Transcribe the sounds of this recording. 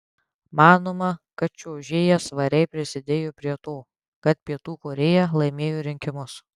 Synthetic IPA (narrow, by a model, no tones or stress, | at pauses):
mɑːnoːmɐkɐt̪̚t͡ʃʲoːʒʲeːjɛsʋɐɾʲɛɪpʲɾʲɪsʲɪd̪ʲeːjoːpʲɾʲiɛt̪oː | kɐt̪̚pʲiɛt̪uːkoːɾʲeːjɛlˠɐɪmʲeːjoːɾʲɪŋʲkʲɪmʊs